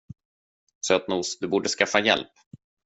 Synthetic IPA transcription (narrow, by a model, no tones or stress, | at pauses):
søːt̪nuːsd̪ɵbuːɖəskafːajɛ̰lp